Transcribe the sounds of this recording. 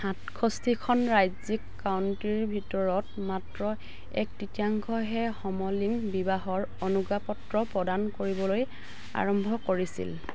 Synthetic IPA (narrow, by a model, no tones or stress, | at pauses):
hatkʰɔstʰikʰɔnɹajzikːawntɹiɹbʱitɔɹɔt | matɹɔ | ɛ̰k̚titiaŋkʰɔɦɛxɔmɔliŋbibaɦɔɹ | onuɡapɔtɹɔpɹɔdankoɹibɔloj | a̰ɹɔmbʱɔkoɹisḭl